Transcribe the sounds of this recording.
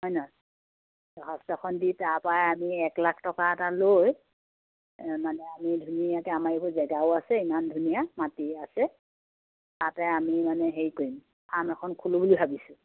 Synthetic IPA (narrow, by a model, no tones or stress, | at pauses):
ɦɔjnɔ | ɔɦɔstɔkɔnditaɹpajamiɛklakʰtɔkaɛtaloj | manɛamidʱuniakɛamaɹibɔzɛɡaʊasɛimandʱunijamatiasɛ | tatɛamimanɛɦeɹikoɹim | amɛkʰɔnkʰulobulibʱabisʊ